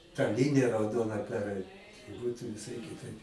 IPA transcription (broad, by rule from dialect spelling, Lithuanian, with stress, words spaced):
tɐ ˈlʲɪnʲɪjɛ rɐʊˈdoːnɐ pʲɛrˈɐɪt ˈbuːtʊ ʋʲɪˈsɐɪ kʲɪˈtɐɪp